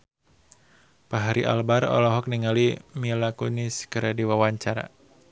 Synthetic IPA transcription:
paɦaɾiʔa̰lbaɾɔ̰lɔɦɔk̚niŋalimilakuniskəɾadiwawaɲt͡ʃaɾa̰

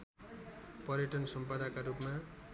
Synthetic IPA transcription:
pʌɾjʌʈʌnsʌmpad̪akaɾupma

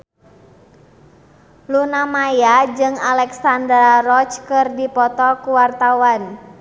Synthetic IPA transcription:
lunamajad͡ʒɨŋalɛksand̪ɾarɔt͡ʃkɨrdipɔt̪ɔkuwart̪awan

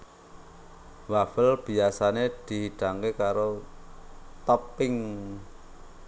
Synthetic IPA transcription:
wafəlb̥i̤asaned̪̥i̤ɦiɖ̥a̤ŋkekaɾo | t̪əpɪŋ

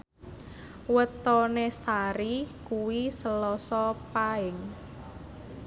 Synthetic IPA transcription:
wət̪ɔnesaɾikuwisəlɔsɔpaɪŋ

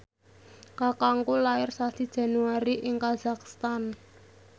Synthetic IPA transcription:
kakaŋkulaɪrsasid̥ʒ̥ä̤nuaɾiʔɪŋkaz̥akst̪an

